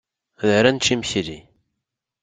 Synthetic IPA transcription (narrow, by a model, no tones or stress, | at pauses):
ðəɾænt͡ʃːimçɾi